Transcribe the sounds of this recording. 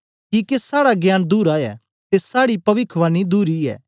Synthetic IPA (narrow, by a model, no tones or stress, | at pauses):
kikesaːɽaɡjaːnd̪uːɾaːɛ̰ | t̪esaːɽipɐʋɪkʰʋaːnid̪uːɾiɛ̰ː